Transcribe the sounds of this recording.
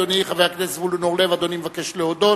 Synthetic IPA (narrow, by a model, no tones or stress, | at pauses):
oniχaveaknesvulunoʁlevad̪onimevakeʃleod̪o